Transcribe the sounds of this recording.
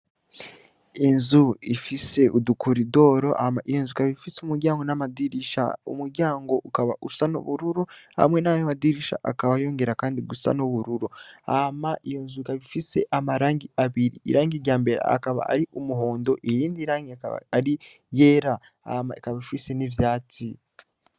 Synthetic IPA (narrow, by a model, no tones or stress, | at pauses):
inzuifise̞ʔudukoɾido̞ːɾo̞ʔa̰maʔijonzukaβiβifisumuɾɟaːŋɡo̞namadiɾiʃa̰ṵmuɾɟaːŋɡo̞ʔukaβausano̰βuɾuɾuha̰mwe̞najamadiɾiʃa̰ʔa̰kaβajo̞ːŋɡe̞ɾakaːndiɡusa̰noβuɾuɾua̰maʔijonzukaβifise̞̰ʔamaɾaːŋɡiaβiɾḭːɾaːŋɡiɾɟaːmbe̞ɾḛa̰kaβa̰a̰ɾiʔumuɦo̞ːndo̞ʔejiːndiɾaːŋɡiaka̰βa̰aɾi | jeɾa | a̰ma̰ikaβaβifise̞nivjaːt͡si